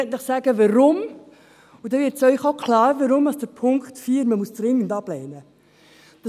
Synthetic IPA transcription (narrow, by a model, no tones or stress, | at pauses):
ɛtləχsæːɡəʋɑɾʊm | ʊdɛvɪɾtsœʏχokʰlɑːɾʋəɾʊmɑsd̥əɾpʰʊŋkχtfiːɾməmusd̥ɾɪŋːəndɑb̥lɛɪnə | d̥ɑ